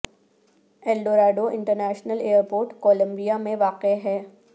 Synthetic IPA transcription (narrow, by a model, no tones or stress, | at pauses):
ɛːlɖoːɾaːɖoʔɪ̃ɳʈəɾnɛːʃnəleːəɾpoːɾʈkɔːlə̃mbijamẽʋaːqeɦɛː